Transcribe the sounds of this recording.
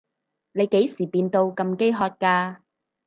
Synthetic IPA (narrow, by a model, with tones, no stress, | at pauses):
ne˨˧jke˨˥jsiː˨˩piː˧nt̪o˧wkɐ˧mke˥jɦɔː˧t̚kaː˧